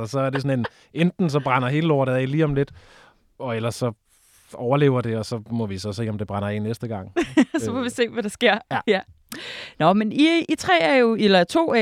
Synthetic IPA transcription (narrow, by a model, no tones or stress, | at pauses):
ɒsɒ̽æɐde̝sɒ̽ne̝n | end̥n̩sɒ̽b̥ʁɑnɐɦe̝ːləloːɾ̥əɛ̰ɪliːɒ̽mle̝d̥ | ɒ̽elɐsːɒ̽ | ɒʊɐle̝̰ːʊɐd̥e̝ɒ̽sɒ̽mɒ̽ʋisɒ̽se̝̰ːɒmd̥e̝b̥ʁɑ̈nɐḛnːesd̥əɡ̥ɑ̈ŋ̰sɒ̽fɒʋise̝̰ːʋæɾ̥ɑ̈sɡ̥e̝ɐ̰jæ | nɒ̽meniit͡sʰʁɛ̰ːæɐjo̝elɐt͡sʰo̝̰ːæ